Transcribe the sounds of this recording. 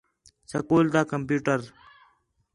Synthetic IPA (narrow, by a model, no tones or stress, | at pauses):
səkoːld̪aːkəmpjuːʈəɾ